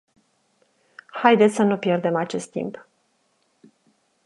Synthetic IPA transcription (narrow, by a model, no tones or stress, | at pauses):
hajd̪et̪sʲsənupje̞rd̪e̞mat͡ʃe̞st̪ːḭmp